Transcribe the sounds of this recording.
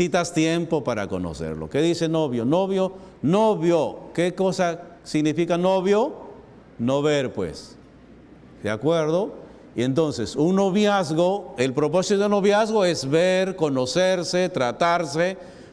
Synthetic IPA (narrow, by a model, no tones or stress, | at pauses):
it̪ast̪jempopaɾa̰ko̞̰no̰sḛɾlo̞̰ke̞ðiseno̞βjo̞noβjo | noβjokeko̞sa | siɣnifikanoβjo | noβeɾpwḛs | d̪eakweɾðo | ient̪o̞nsesuŋnoβjazɣoelpɾop̬o̞sit̪oðunoβjazɣoezβeɾko̞noseɾset̪ɾat̪aɾse